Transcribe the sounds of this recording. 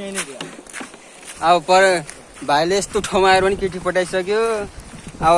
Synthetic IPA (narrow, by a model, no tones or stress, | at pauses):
ʌbʌpʌɾʌ | bʱajleest̪oʈʰomaeɾupʌnikiʈʰipʌʈajsʌkjo | ʌ